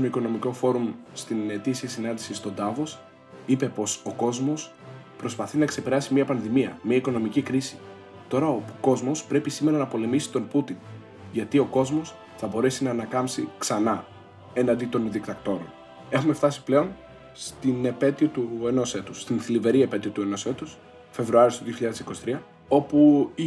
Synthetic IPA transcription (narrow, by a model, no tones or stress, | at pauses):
oiko̞no̞miko̞fo̞ɾumst̪inet̪isiɐsinɐnd̪isist̪o̞d̪ɐvo̞s | ipe̞po̞so̞ko̞zmo̞s | pɾo̞spɐθinɐkse̞pe̞ɾɐsimiɐpɐnðimiɐ̰miɐiko̞no̞micikɾisi̥ | t̪o̞ɾɐoko̞zmo̞spɾe̞pisime̞ɾɐnɐpo̞le̞misi̥t̪o̞nput̪in | ʝɐt̪io̞ko̞zmo̞s | θɐbo̞ɾe̞sinɐːnɐkɐmpsḭksɐnɐ | e̞nɐnd̪it̪o̞nðikt̪ɐkt̪o̞ɾon | e̞xume̞ft̪ɐsi̥ple̞o̞n | st̪ine̞pe̞t̪iot̪ue̞no̞se̞t̪u̥sːt̪inθilive̞ɾie̞pe̞t̪iot̪ue̞no̞se̞t̪us | fe̞vɾuɐɾist̪oðioçiʎɐðe̞sikosi̥t̪ɾiɐ | o̞pu